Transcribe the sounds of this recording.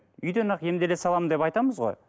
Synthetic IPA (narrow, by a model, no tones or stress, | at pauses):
ʏjd̪enɑqje̞md̪ele̞sɑlˠɑmənd̪epɑjt̪ɑməzʁo̞̰j